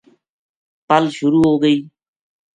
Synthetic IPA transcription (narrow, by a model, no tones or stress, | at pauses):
pəlʃʊɾuːɦoːɡəiː